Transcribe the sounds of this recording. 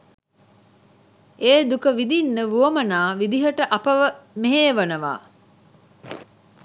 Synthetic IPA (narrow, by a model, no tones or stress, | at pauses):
ʔeːd̪ukəʋid̪inːəʋuɐmɐnaːʋid̪iɦɐʈəʔɐpɐʋəmeɦeːʋɐnɐʋa̰ː